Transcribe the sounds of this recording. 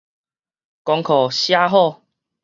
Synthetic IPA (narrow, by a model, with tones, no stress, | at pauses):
kɔ˧ŋkʰɔ˨˩ɕja˦ɦɔ˥˧˨